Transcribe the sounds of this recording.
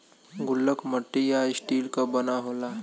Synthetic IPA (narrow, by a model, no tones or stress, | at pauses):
ɡʊlːəkməʈːijaɪsʈiːlkabənaɦola